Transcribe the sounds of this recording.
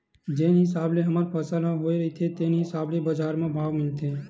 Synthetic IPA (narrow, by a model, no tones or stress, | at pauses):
d͡ʒeːnɦɪsaːbleɦɐmaɾpʰəsəlɦoːiɾɐit̪ʰet̪eːnɦɪsaːblebəd͡ʒaːɾmẽbʱaːʋmɪlt̪eː